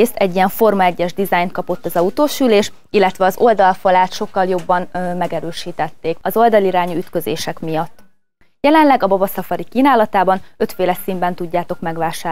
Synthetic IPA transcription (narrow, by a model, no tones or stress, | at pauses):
st̪ɛɟːijɛɱfo̞rmɒɛɟːɛʒd̪izajnt̪̚kɒpo̞t̪ːɒzɒut̪oːʃyleːʃ | ilːɛt̪ʋɛɒzo̞ld̪ɒlfɒlaːt̪ʃo̞kːɒljo̞bːɒnmɛɡɛɾøːʃiːt̪ɛt̪ːeːkɒzo̞ld̪ɒliɾaːɲuyt̪kø̞zḛːʃɛkmijɒt̪ː | jɛlɛnlɛɡɒbobɒsɒfɒɾikiːnaːlɒt̪aːbɒnø̞t̪feːlɛsimbɛn̪t̪uɟːaːt̪o̞kmɛɡʋaːʃaː